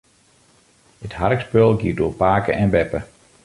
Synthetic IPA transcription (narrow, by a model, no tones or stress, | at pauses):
həthaɾkspølˠɡiːdoːpaːkəɛnbɛpə